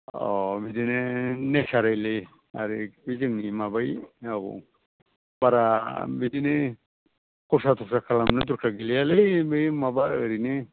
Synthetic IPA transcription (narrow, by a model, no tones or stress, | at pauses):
ɔbidinenesaɾajle | aɾibizɯŋnimabajabṵ | baɾabidine | kɔsat̪ʰɔksakʰalamnɯd̪uɾkʰaɡilialebejmabaəɾine